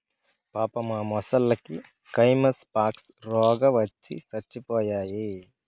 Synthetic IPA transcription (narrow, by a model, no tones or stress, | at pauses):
paːpɐmaːmɔsɐlːɐki | kɐjmɐspaːks | ɾɔːɡɐʋɐt͡ʃːḭsɐt͡ʃːipɔːjaːji